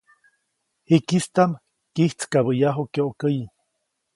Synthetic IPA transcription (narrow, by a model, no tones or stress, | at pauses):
hikist̪am | kiht͡skaβəjaɦokeʔokəji